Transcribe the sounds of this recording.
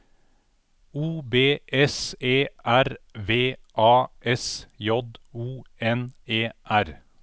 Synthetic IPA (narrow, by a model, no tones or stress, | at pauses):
uːbeːʔɛseːʔæɾʋeːʔɑːʔɛsjɔd̪uːɛneːʔæɾ